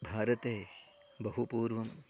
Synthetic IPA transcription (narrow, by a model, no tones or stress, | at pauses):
bʱaːɾɐt̪eː | bɐɦupuːɾʋɐm